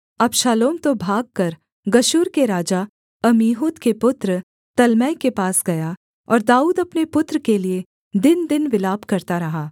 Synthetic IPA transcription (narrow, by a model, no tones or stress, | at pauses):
ɐbʃaːloːmt̪obʱaːɡ̚kɐɾ | ɡɐʃuːɾkeɾaːd͡ʒa | ɐmiːɦud̪kepʊt̪ɾə | t̪ɐlmɛːjkepaːsɡɐja | ɔ̰ːɾd̪aːuːd̪ɐpnepʊt̪ɾəkelie | d̪ɪnd̪ɪnʋɪlaːbkɐɾt̪aɾɐɦaː